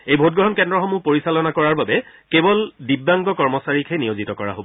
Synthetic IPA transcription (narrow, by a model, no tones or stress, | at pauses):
ejbʱot̚ɡɹɔɦɔnkɛndɹɔxomupoɹisalɔnakɔɹaɹbabɛ | kebɔldibːaŋɡɔkɔɹmɔsaɹikʰɛnijozitɔkɔɹa̰ɦobɔ